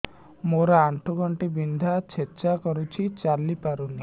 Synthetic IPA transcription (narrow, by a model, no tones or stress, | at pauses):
moɾaːɳʈʰuɡʱɔɳʈibind̪ʱat͡ʃʰet͡ʃakɔɾut͡ʃʰit͡ʃalipaɾuni